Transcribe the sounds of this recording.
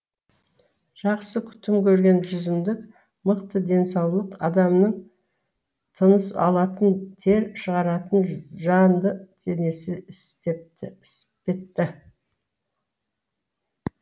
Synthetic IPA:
ʒ̥ɑqsəkʲʰʏ̥t̪ɪmkʲʰɵɾɡʲe̞nʒʏzɪmd̪ɪk | məqt̪əd̪e̞nsɑwlˠəqɑd̪ɑmnəɴ | t̪ʰənəsɑ̰lˠɑt̪ənt̪ʰe̞ɾʃəʁɑɾɑt̪ənʒɑnd̪ət̪ʰe̞ne̞sɪɪst̪epɪspe̞t̪ːɪ

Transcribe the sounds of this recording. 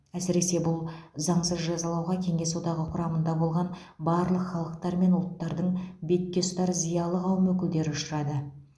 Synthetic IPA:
æsɪɾe̞se̞bʊlˠzɑɴsəzʒɑzɑlˠɑwʁɑkʲʰe̞ŋe̞sod̪ɑʁəqʰʊɾɑmənd̪ɑbo̞lˠʁɑn | bɑɾlˠəqχɑlˠəq̚t̪ɑɾme̞nʊlˠt̪ːɑɾd̪əɴbe̞t̪̚kʲe̞st̪ɑɾzijɑlˠəʁɑwmɵkʲɪld̪e̞ɾɪʊʃəɾɑd̪ə

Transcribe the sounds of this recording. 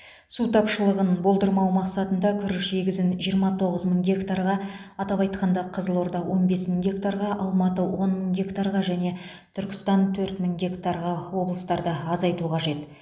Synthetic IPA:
sut̪ʰɑpʃəlˠəʁənbo̞lˠd̪əɾmɑwmɑqsɑt̪ənd̪ɑkʲʰʏɾɪʃse̞ɡʲɪzɪnʒijəɾmɑt̪ʰo̞ʁəzməŋɡʲe̞kt̪aɾʁɑɑt̪ɑpɑjt̪̚qɑnd̪ɑqʰəzəlˠo̞ɾd̪ɑwʔo̞nbe̞sməŋɡʲe̞kt̪aɾʁɑʔɑlˠmɑt̪əwo̞nməŋɡʲe̞kt̪aɾʁɑʒæne̞ | t̪ʰʏɾkʲɪ̥st̪ɑnt̪ʰɵɾt̪məŋɡʲe̞kt̪aɾʁɑwo̞blˠəst̪ɑɾd̪əɑzɑjt̪uqʰɑʒe̞t̪

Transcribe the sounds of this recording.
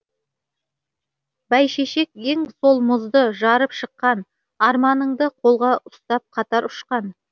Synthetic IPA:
bæjʃeʃe̞ke̞ŋsolˠmʊzd̪əʒɑɾəpʃəqːɑn | ɑɾmɑnəɴd̪əqʰo̞lˠʁɑʔʊst̪ɑp̚qʰɑt̪ɑɾʊʃqɑn

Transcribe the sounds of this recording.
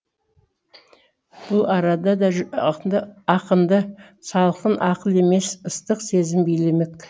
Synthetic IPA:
b̥ʊlˠɑɾɑd̪ɑd̪ɑʒnd̪əɑqənd̪ə | sɑlˠəqənʔɑqəlˠe̞me̞səst̪əqse̞zɪmbejle̞mek

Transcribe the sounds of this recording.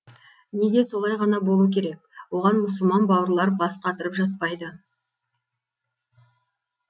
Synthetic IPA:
neɡ̪ʲe̞so̞lˠɑjʁɑnɑbo̞lˠuəkʲʰe̞ɾe̞k̚wo̞ʁɑnmʊsəlˠmɑnbɑwəɾlˠɑɾbɑsqɑt̪əɾəpʒɑt̪̚pɑjd̪ə

